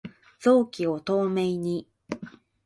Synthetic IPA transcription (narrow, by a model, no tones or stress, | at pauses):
d͡zo̞ːkʲio̞t̪o̞ːme̞iɲ̟i